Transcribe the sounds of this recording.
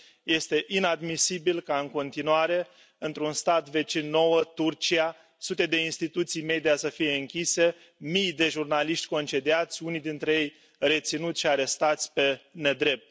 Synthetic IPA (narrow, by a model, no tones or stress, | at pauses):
je̞st̪e̞ʔinad̪misibilkaɨŋko̞nt̪inuaɾe̞ | ɨnt̪ɾunst̪at̪ve̞t͡ʃinːo̞wət̪urt͡ʃia | sut̪e̞d̪e̞inst̪it̪ut̪sijme̞d̪ijasəfije̞ɨŋkʲise̞ | mijd̪e̞ʒurnaliʃt̪ʲko̞nt͡ʃe̞d̪iat̪sʲunijd̪int̪ɾe̞je̞j | re̞t̪sinut̪sʲʃiaɾe̞st̪at̪sʲpe̞ne̞d̪ɾe̞p̚t̪̚